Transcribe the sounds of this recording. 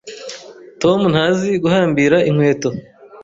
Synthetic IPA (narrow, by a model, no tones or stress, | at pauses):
to̞mun̥haːziɡuhaːmbiːɾaʔiŋ̥we̞ːto̞